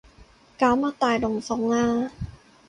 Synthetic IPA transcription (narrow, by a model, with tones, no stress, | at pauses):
kaː˨˦wmaː˧˥˩t̪aː˨˩jlo˨˩ŋsɔ˨˦ŋnaː˧˥˩